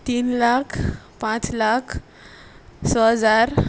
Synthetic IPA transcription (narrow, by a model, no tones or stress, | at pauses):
t̪iːnlakʰ | pãt͡slakʰ | səd͡zaɾ